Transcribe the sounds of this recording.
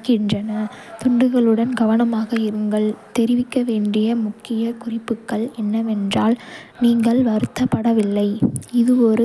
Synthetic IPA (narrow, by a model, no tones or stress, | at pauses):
kɪndrɐnɐ | t̪ʊɳɖɯɣɐɭɯɽɐnɡɐʋɐnɐmaːɣɐɪɾɯŋɡɐɭt̪ɛɾɪʋɪkːɐʋeːɳɖɪjɐmʊkːɪjɐkʊrɪpːɯkːɐɭɛnːɐʋɛndraːlniːŋɡɐɭʋɐɾɯt̪ːɐpːɐɽɐʋɪlːɐɪɪðɯɔɾɯ